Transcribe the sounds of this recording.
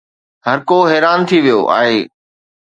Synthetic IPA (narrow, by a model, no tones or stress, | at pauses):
ɦɐɾkoɦɛːɾaːnt̪ʰiʋijoʔa̰ːɦeː